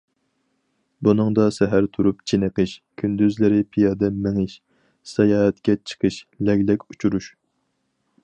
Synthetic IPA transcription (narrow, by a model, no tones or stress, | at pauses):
bunɨŋd̪ɑsɛɦæɾt̪ʰuɾupt͡ʃʰenəqʰɨʃkʲʰynd̪yzlɪɾɪpʰijɑd̪ɛmɪŋɨʃ | sɛjɑːɦɛt̪kʲɛt͡ʃʰə̥qʰəʃlɛɡʲlɛkʲut͡ʃʰuɾuʃ